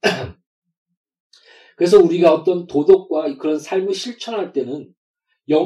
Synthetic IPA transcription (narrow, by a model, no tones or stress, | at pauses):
kɯɾe̞s̬ʰʌuɾiɡaʌt͈ʌntodop̚k͈waikɯɾʌnsʰaɭmiɕʰiɭt͡ɕʰʌŋɦaɭt͈e̞nɯn | jʌ